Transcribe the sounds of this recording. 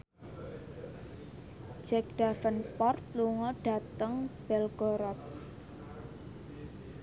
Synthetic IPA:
d͡ʒ̥ɛk̚ɖ̥afənpɔrt̪̚luŋɔɖ̥a̤t̪əŋb̥ɛlɡ̥ɔɾɔt̪̚

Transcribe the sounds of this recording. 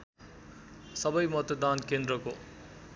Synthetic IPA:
sʌbʌjmʌt̪ʌd̪ankend̪ɾʌko

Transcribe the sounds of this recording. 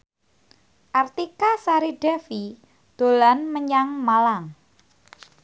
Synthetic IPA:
ʔart̪ikasaɾiɖɛfi | d̪̥o̤lanməɲaŋmalaŋ

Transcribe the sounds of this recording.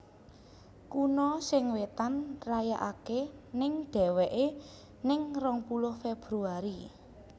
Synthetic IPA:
kunɔsɪŋwet̪anrajaʔakenɪŋɖ̥ɛ̤wɛʔe | nɪŋrɔŋpulʊhfeb̥ɾuaɾi

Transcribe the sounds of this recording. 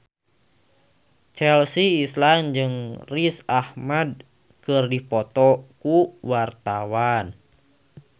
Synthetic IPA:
t͡ʃɛlsiːsland͡ʒɨŋrisahmad̚ | kɨrdipɔt̪ɔkuwart̪awan

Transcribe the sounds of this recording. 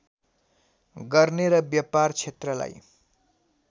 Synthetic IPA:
ɡʌrneɾʌbjʌpart͡sʰet̪rʌla̰j

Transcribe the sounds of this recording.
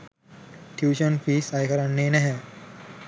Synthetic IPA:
ʈʰjuːʃonfiːsajkəɾanːeːnɛɦɛ̃

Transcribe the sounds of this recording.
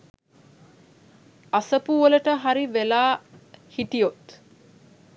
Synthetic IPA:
asəpuʋoləʈəɦaɾiʋelaːhit̪ijot̪

